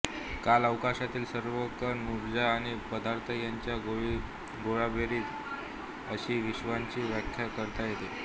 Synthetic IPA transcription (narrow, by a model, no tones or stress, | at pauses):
kaləʋkaɕat̪iːlsəɾʋəkəɾnuɾd͡ʑaːɽ̃ipəd̪aɾt̪ʰəjaɲt͡ɕjaɡoɭi | ɡoɭabʱeɾiːt̪ | əɕiːʋiɕʋaɲt͡ɕiːʋjəkʰːjakəɾt̪ajet̪e